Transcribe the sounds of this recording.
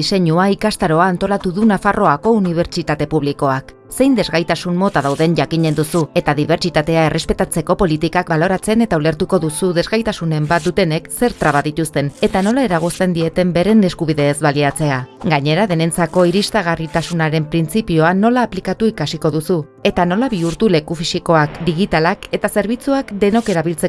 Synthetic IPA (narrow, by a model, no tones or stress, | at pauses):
ise̞ɲuaikast̪aɾo̞aːnt̪o̞lat̪uðunafaro̞ako̞uniβ̞e̞ɾt͡ʃit̪at̪e̞puβliko̞ak | se̞jnd̪e̞zɣajt̪asunmo̞t̪aðawðe̞ɲʝakiɲe̞nd̪usue̞t̪aðiβ̞e̞ɾt͡ʃit̪at̪e̞ae̞re̞spe̞t̪at͡se̞ko̞po̞lit̪ikak̚balo̞ɾat͡se̞ne̞t̪aule̞ɾt̪uko̞ðusuðe̞zɣajt̪asune̞mbat̪̚d̪ut̪e̞ne̞kse̞ɾt̪ɾaβ̞aðit̪ust̪e̞ne̞t̪ano̞lae̞ɾaɣ̞ust̪e̞nd̪ie̞t̪e̞mbe̞ɾe̞ne̞skuβ̞iðe̞ːzβaliat͡se̞aɡaɲe̞ɾaðe̞ne̞nt͡sako̞iɾist̪aɣ̞arit̪asunaɾe̞mpɾint͡sipio̞ano̞laːplikat̪uikasiko̞ðusu | e̞t̪ano̞laβiuɾt̪ule̞kufisiko̞akd̪iɣit̪alake̞t̪ase̞ɾβit͡suakd̪e̞no̞ke̞ɾaβilt͡se̞